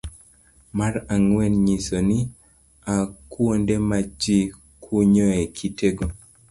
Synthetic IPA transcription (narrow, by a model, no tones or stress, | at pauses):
maɾaŋwɛnɲisoni | akwondemad͡ʒi | kʰuɲɔekʰiteɡo